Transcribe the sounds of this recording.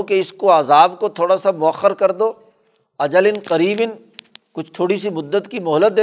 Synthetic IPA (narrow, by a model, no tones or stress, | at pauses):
keɪskoaːzaːbkot̪ʰoːɽasamʊɐxːəɾkɐɾd̪oː | ɐd͡ʒəlɪnqɐɾiːbɪn | kʊt͡ʃʰt̪ʰoːɽisimʊd̪ːət̪kimʊɦlət̪̚d̪eː